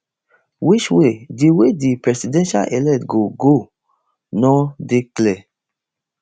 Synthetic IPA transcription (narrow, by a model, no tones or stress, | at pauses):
wit͡ʃwediwedipɹɛsidɛ̃nʃa̰lʔɛlɛtɡoɡo | nɔdeklɛ